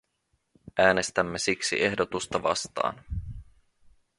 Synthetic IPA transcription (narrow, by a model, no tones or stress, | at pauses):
æːne̞st̪æmːe̞siksḭʔe̞hdot̪ust̪ɑʋɑ̰st̪ɑ̰ːn